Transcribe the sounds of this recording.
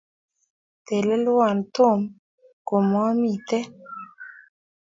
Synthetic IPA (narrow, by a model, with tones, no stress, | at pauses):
te˨le˦lwa˨n˨to˦˨m | ko˨mɔ˦mi˦˨t̪ɛ˦